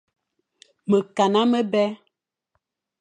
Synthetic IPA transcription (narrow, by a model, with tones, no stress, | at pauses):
mə˨ka˨na˦mə˦bɛ˦